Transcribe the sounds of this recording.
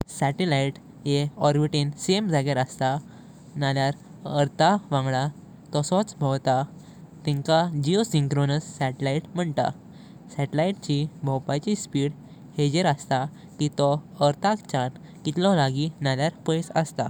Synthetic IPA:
sɛʈelaiʈ | jeɔɾbiʈinsemd͡zʱaɡeɾəst̪a | naljaɾ | əɾt̪aʋãŋɡɭa | t̪ɔsɔt͡sbʱɔwt̪a | t̪ɛ̃ŋkad͡ʑiosiŋkɾonəsːɛʈlaiʈm̤əɳt̪a̰ | sɛʈelaiʈ̚t͡ɕibʱɔwpajt͡ɕispiːɽ | hed͡ʑeɾəst̪a | kit̪ɔəɾt̪akt͡ɕan | kit̪lɔ̃laɡinaljaɾpəjsə̰st̪a̰

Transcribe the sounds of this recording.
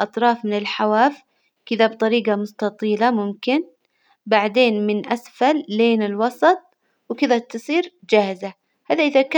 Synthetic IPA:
ʔɑt̪ˤɾˤɑːfmɪnɪlħawaːf | kɪðabt̪ˤɑɾiːɡɑmʊst̪ɑt̪ˤiːlamʊmkɪn | baʕd̪eːnmɪnʔasfalːeːnɪlwɑsˤɑt̪̚ˤ | wɪkɪðat̪ɨsˤiːɾ | d͡ʒaːhɪza | haːðaʔɪðaka

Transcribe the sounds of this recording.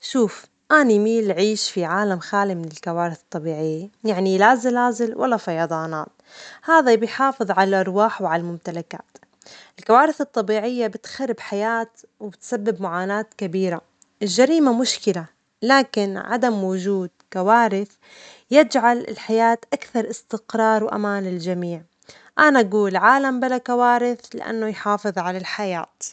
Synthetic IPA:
ʃuːf | ʔaːnimiːlʕiːʃfiʕaːlamxaːlimɪnɪlkawaːɾɪθɨt̪ˤːɑbiːʕɪjːajaʕnilazalaːzɪlwʔa̰lːafɑjɑd̪ˤɑːna̰ːt̪̚ | haːðabɪjħɑːfɨðˤʕalalʔɑɾˤwaːħwʕalalmʊmt̪alaka̰ːt̪ | ɪlkawaːɾɪθɨt̪ˤːɑbiːʕɪjːabɪt̪xarɾːɪbħajaːt̪ | wɪbɪt̪sabːɪbmʊʕaːnaːt̪kabiːɾa | ʔɪlʒːaɾiːmamʊʃkɪla | laːkɪnʕa̰d̪amwʊd͡ʒuːd̪̚kawaːɾɪθ | jɪd͡ʒʕalɪ̰lħajaːt̪ʔakθɑɾˤʔɪst̪ɪqɾˤɑːɾˤwʔa̰maːnɪld͡ʒamiːʕ | ʔanaʔaɡuːlʕaːlambɪlakawaːɾɪθlɪ̰ʔa̰nːʊjħɑːfɨðˤʕalalħaja̰ːt̪

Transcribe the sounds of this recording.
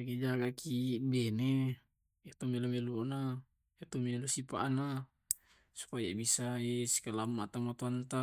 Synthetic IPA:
akid͡ʒaɡakibɛne | jat̪umelomeluna | jat̪umielusipa̰ʔna | su̥paja̰bisaesi̥kalamːat̪amat̪uant̪a

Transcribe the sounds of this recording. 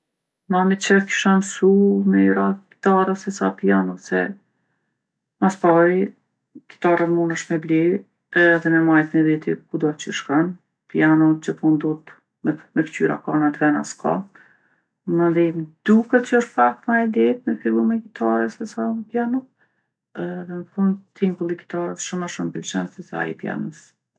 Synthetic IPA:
mamit͡ɕəki̥ʃamsumɛɾaki̥t̪aɾəsɛsapianɔsɛ̰ | maspai | ki̥t̪aɾəmunəʃmɛbli | ðɛmɛmajt̪mɛd̪it̪ikud̪ɔt͡ʃəʃkan | pianɔt͡ʃəpund̪ut̪ | mɛmɛkt̪yɾa̰kanat̪vɛna̰skɔ̰ | mənd̪imd̪ukət̪t͡ɕəɔʃt̪fak̚t̪majd̪ɛt̪mɛfilˠumɛkit̪aɾəsɛsaməpjanu | ðɛməfund̪t̪ʰimkulˠiki̥t̪aɾətʃumaʃumpilt͡ʃɛnsɛsa̰ḭpja̰nəs

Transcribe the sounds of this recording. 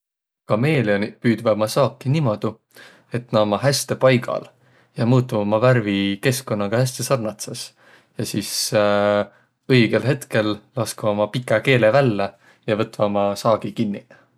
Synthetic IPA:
kɑme̞ːlionipyːd̪vɑmɑsɑːkːinimo̞d̪̥u | e̞t̪nɑomɑɦæst̪e̞pɑjɡ̥ɑ̰l | jɑmuːt̪ːˑuɑmɑvæɾvike̞sko̞nːɑɡ̥ɑhæs̬t̪e̞sɑrnɑt̪ses | jɑsis | ɤjɡ̥e̞lɦe̞t̪ke̞llɑskɑɑmɑpikːˑɑke̞ːlevælːe | jɑvɤt̪ːˑvɑmɑsɑːɡ̥ikinːi

